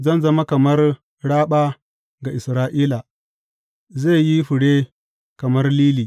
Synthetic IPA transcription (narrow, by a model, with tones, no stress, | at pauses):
zɐ˦nzɐ˦ma˦kɐ˨mɐ˦r | ɽaː˦ɓaː˦ | ɡa˨ʔɪ˨sɾaː˦ʔiː˦la˨ | ze˦˨ji˦ɸʊ˨ɽe˦ | kɐ˨mɐ˦rliː˦liː˨